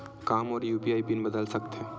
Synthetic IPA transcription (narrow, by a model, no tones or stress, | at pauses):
kamɔːɾjuːpiajpinbəd̪əlsəkt̪ʰe